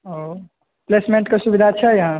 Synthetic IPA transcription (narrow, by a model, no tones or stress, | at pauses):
ɦo | plesmẽɳʈkesubid̪ʱat͡ʃʰɛjɦã